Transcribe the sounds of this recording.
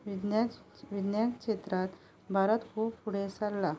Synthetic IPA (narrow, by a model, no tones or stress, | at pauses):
d̪a | ʋid̪njakɕet̪ɾat̪ | bʱaɾət̪kʰubfuɽesalːa